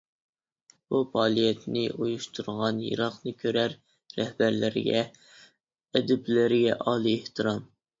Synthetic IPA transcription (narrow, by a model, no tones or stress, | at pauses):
b̥upʰɑːlˠijɛt̪nɪʔujuʃt̪ʰuɾʁɑnjḭɾɑqnɨkʲʰøɾæɾː | ɛhbæɾlɪɾɪ̰ɡʲɛ | ɛd̪ɛblɪɾɪɡʲɛʔɑlˠɨeht̪ɨɾɑm